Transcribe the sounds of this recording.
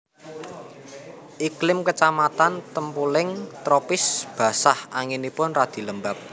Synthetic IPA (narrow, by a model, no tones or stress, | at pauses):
ʔiklɪmkət͡ʃamat̪ant̪əmpulɪŋt̪ɾopɪsb̥a̤sahʔaŋinipʊnrad̪̥i̤ləmbap̚